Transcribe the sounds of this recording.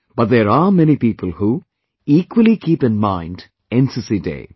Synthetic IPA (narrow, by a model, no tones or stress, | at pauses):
b̥ʌt̪̚ðeɾamɛnipiːpəlˠhu | iːkwəlikʰiːpɨ̃nmãɪ̃nd | ɛ̃nsɨsidḛɪ